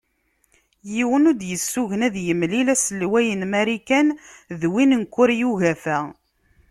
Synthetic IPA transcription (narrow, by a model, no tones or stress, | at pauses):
jiwənʊd̪jəsːuʝənæðjəmlilæsəlːwæjənmæɾikænðwinənkʷːʊɾjuɣæfæ